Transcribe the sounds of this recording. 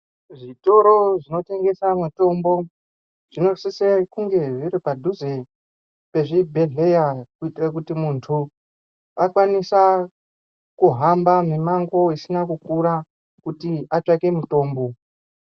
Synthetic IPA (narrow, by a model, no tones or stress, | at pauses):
ʐito̞ɾo̞ʐino̞te̞ŋɡe̞samweto̞mbo̞ | ʐ̥ino̞sisekuŋɡe̞ʐiɾipadʱuze | pe̞ʐibʱe̞ɮe̞jakuitirak̬utimuntʰu | akwanisa | kuɦambamemaŋɡo̞isinakukuɾa | kutiat͡ʂake̞muto̞ːmbo̞